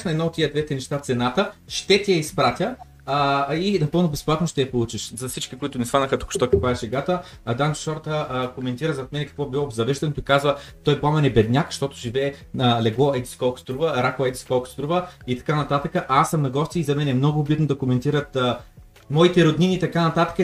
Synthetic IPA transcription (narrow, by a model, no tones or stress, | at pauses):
ʃnɛd̪nɔot̪ːijəd̪vɛt̪ɛnɛʃt̪at̪sɛnat̪əʃt̪ɛt̪ijɛispɾat̪ʲjə | inɐpɤlˠnʊbɛsplˠat̪noʃt̪ɛjɐpolˠut͡ʃiʃzɐfsit͡ʃkikoit̪ʊnɛst̪anɐxət̪u̥kʊ̥ʃt̪ɔk̪ʲipɾavʲɛʃɛɡat̪əd̪ant͡ʃʃɔɾd̪əkomɛnt̪iɾəzɐt̪mɛnɛkɐ̥kvɔbilˠɔzɐvɛʃd̪ɛnt̪oikazvət̪ɔjpˠamɛnɛbɛd̪nʲjakʃt̪ɔt̪ʊʒivɛːnəlɛɡlˠɔɛd̪iskɔlˠkʊ̥std̪ɾuvəɾakˠɐɛd̪ʲiskɔlˠkʊ̥st̪ɾuvəit̪ɐ̥kanɐt̪at̪əkəʔasːɐmnɐɡɔst̪iːzɐmɛnɛmnɔɡʊːbit̪nod̪ɐkomɛnt̪iɾət̪ə | mɔit̪ɛɾod̪niniːt̪ɐkanɐt̪at̪ə̥kə